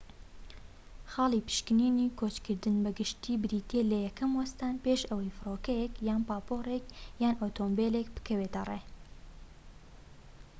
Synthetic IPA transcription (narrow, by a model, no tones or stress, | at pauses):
xɑːlˠiːpɨ̥ʃkɨniːniːkʰoːt͡ʃkʰɨɾd̪ɨnbɐɡɨʃt̪ʰiːbɨɾit̪eːlɐjɛkɐmwɐst̪aːnpeːʃɐwɐjfɨɾoːkɐjɛkjaːnpaːpoːrekjaːnoːt̪ʰoːmbeːleːkbɨ̥kʰɐweːt̪ɐ̰reː